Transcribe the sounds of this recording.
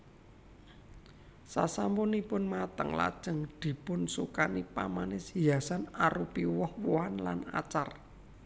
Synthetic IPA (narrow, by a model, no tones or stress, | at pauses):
sasampʊnipʊnmat̪əŋla̰d̥ʒ̥ə̤ŋd̪̥i̤pʊnsukanipamanɪsjasanaɾupiwɔhwoanla̰na̰t͡ʃar